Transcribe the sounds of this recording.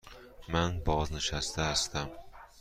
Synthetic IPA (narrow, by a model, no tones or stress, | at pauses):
manbɒznɪʃasɪd̪aːst̪am